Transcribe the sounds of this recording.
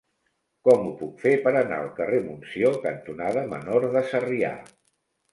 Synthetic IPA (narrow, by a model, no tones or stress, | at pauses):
kɔmupukfepəɾəna̰əlˠkəremunsiokənt̪unaðəmə̰noɾðəsəria̰